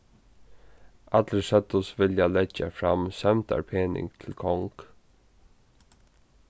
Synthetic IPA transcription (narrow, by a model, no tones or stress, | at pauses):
ʔɑt̪əʂɛt̪ʊsʋɪljɑlɛçə̰fɾɑ̰msɛmt̪ɑ̰ɾpʰeːnɪ̰ŋt̪ʰɪlkʰɔŋk